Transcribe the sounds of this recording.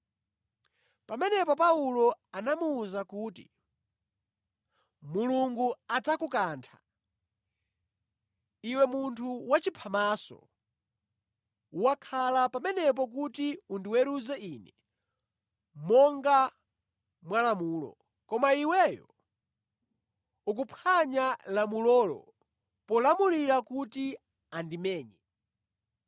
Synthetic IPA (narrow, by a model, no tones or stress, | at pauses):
pamɛnɛpɔpaulɔanamuːzakuːti | muluŋɡuad͡zakukaːntʰa̰ | iwɛmuntʰuwat͡ʃipʰamasɔ̰ | uwakʰalapamɛnɛp̬ɔk̬utiundiwɛɾuzɛinɛ | mɔŋɡa | mwalamuːlɔ̰ | kɔmaiwɛjɔ̰ | uk̬upʰaɲalamulɔːlɔ̰ | pɔlamuliɾakuti | andimɛːɲɛ